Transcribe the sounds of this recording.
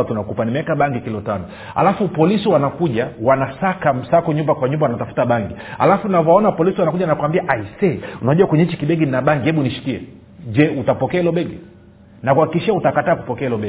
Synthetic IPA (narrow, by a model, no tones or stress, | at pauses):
tunakupanimiakaɓaŋɡikilɔtanɔ | ha̰lafupɔlisiwanakuʄawanasakam̩sakɔɲumbakwaɲumbawanatafu̥taɓaŋɡia̰lafunavɔaɔnapɔlisiwanakuʄanakuwambiaʔaisɛunaʄuwakwɛɲɛit͡ʃikiɓɛɡinaɓaŋɡihɛɓuniʃi̥kiɛ̰ | d͡ʒɛutapɔkɛailɔɓɛɡi | nakuwhakikiʃiautakataːku̥pɔkɛailɔɓɛ